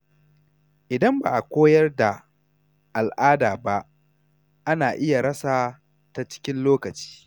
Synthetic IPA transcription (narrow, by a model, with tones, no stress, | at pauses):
ʔɪ˨dɐ˦mba̰ː˨ʔa˨kʷoː˦jɐ˦rda˨ | ʔa˨lʔaː˦daː˨ba˦ʔ | ʔa˦naː˨ʔɪ˦ja˨ɽɐ˦saː˨ | ta˦t͡ʃɪ̥˦kʲɪ˦nloː˦kɐ˨t͡ʃi̥ː˦